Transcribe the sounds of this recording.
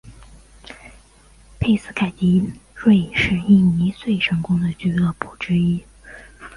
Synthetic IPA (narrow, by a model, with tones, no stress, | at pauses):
pʰe˥˧ɪsɹ̩˥kʰa˨˩t͡ɕi˧˥ɻwe˥˧ɪʂɻ̩˥˧i˥˩ni˧˥swe˥˩ɪʂʰɤ˧˥ŋkʊ˥ŋd̪ə˨t͡ɕy˥˧ɤ˥˩pʰu˨˩ʈ͡ʂɻ̩˥i˥